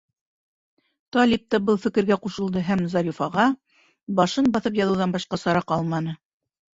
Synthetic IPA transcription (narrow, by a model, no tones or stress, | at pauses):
t̪ɑlʲip̚t̪ɑbɤlˠfɘ̆kɘ̆ɾɡæquʃɤ̆lˠd̪ɤɦæmzɑɾifɑʁɑ | bɑʃɤnbɑθɤpjɑðɤ̆wðɑnbɑʃqɑsɑɾɑqɑlˠmɑnɤ